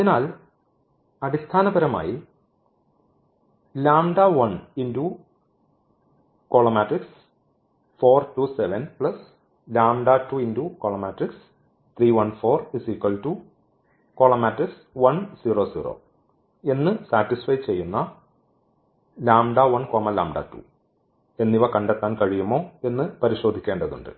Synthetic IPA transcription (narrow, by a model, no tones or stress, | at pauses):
ɐðinaːl | ɐɽist̪ʰaːnɐbɐɾɐma̰ːji | laːmɖaʋɐɳinduː | koːɭɐmaːʈriks | foːrtuːseʋɐnpɭɐs | laːmɖaːtːuinduːkoːɭɐmaːʈriks | t̪ʰriːʋɐnfo̞ːrisikːɐltuː | ko̞ːɭɐmaːʈriks | ʋɐnsiːroːsḭːro̰ː | e̞nːɨsaːʈːisfɐjt͡ɕe̞jːunːɐ | laːmɖaʋɐnkoːmɐlaːmɖa̰ːtṵː | e̞nːiʋɐkɐɳɖet̪ːaːnkɐɻijumːo̞ːe̞nːɨpɐɾiɕo̞ːd̪ʱikʲːeːɳɖɐðṵɳɖɨ̰